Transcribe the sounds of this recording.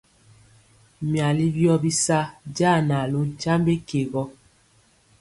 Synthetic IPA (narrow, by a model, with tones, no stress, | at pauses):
mja˨li˦bjɔ˦bi˦sa˦d͡ʒaː˦˨na˨lo˦t͡ʃa˦mbe˦ke˨ɣɔ˦